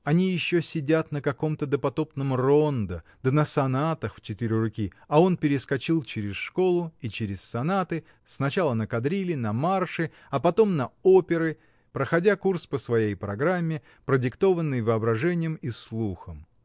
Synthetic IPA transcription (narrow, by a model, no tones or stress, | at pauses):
ɐnʲijɪɕːosʲɪdʲat̪nəkɐko̞mt̪əd̪əpɐt̪o̞pnəmro̞nd̪əd̪̥ənəsɐnat̪əxft͡ɕɪt̪iɾʲʊrʊkʲi | ɐo̞npʲɪɾʲɪskɐt͡ɕilˠt͡ɕɪɾʲɪsʂko̞lˠʊit͡ɕɪɾʲɪssɐnat̪ɨ | snɐt͡ɕalˠənəkɐd̪ɾʲilʲɪnɐmarʂɨ | ɐpɐt̪o̞mnɐo̞pʲɪɾɨ | pɾəxɐdʲakurspəsvɐjejpɾɐɡɾamʲːɪ | pɾədʲɪkt̪o̞vənːɨjvɨɐbɾɐʐɛnʲɪjəmislˠuxəm